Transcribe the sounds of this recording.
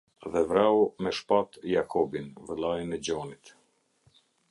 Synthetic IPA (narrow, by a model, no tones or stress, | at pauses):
ðɛvɾawmɛʃpat̪jakʰɔbinvɛlˠajnɛd͡ʑɔnit̪